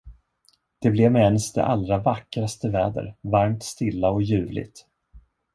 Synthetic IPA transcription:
d̪̥ɛblɛvmɛɛnsd̪ɛ̰ʔalɾavakːɾast̪əvɛːd̪ə̰ɾvaɾmt̪st̪ɪlːaɔjʉ̟ːvlɪ̰ɡ̚t̪

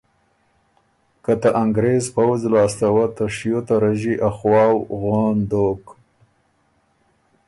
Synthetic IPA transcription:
kat̪aʔaŋɡɾezpawzlɑːst̪awat̪aʂijot̪aɾaʒiʔaxwɑːwɣond̪ok

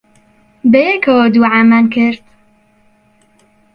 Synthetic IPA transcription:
bɛjekʰɐwod̪uːʕaːmaːnkʰɪɾt̪

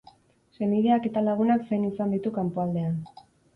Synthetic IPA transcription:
se̞niðe̞ake̞t̪alaɣ̞unaksejnisand̪it̪ukampoald̪e̞an

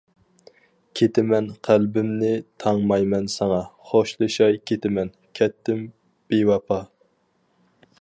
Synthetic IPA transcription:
kʲʰet̪ʰɪmɛnqʰælbɪmnɪt̪ʰɑŋmɑjmɛnsɑŋɑχoʃlˠɨʃɑjkʲʰet̪ɪmɛn | kʲʰɛt̪ʰːɪm | b̥ewɑpʰɑ

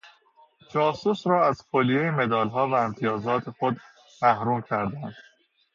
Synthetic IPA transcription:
d͡ʒɒːsusɾɒːæz̥foːlijejeme̞d̪ɒːlɦɒːvæemt̪ʰijɒːzɒːt̪ʰe̞xod̪ | mæhɾuːmcʰæɾd̪ænd̪̥

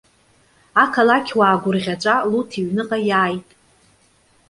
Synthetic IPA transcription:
akʰalakʲʰwaːɡʷʊrʁʲat͡ʃʷʼalutʰiɥnɨqʼajaːjtʼ

